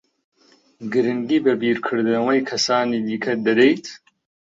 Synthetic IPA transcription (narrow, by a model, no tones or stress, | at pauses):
ɡɨɾɨnd̪iːbɐbiːɾkʰɨɾd̪ɨnɐwɐjkʰɐsaːniːd̪iːkʰɐd̪ɐd̪ejt̪ʰ